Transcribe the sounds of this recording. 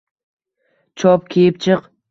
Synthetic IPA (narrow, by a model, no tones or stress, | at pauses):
t͡ʃʰɔp̚kʲʰijɪp̚t͡ʃʰɨq